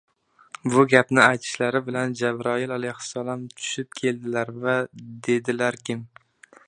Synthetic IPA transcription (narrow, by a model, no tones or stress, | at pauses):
bʊɡʲapnɪajt̪ʰɪ̥ʃlaɾɪbɪland͡ʒabɾɒɪlalajhʊ̥salˠɒmt̪ʰʊ̥ʃɪp̚kʲʰe̞ld̪ɪlaɾvad̪e̞d̪ɪlaɾkʲɪm